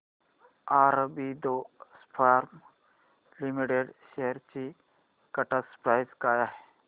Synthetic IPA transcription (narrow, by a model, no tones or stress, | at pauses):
aːɾbid̪ospʰaːɾm | limiʈeɖʃeɦəɾt͡ʃi | kɐʈaspɾaːjzkaːjaɦ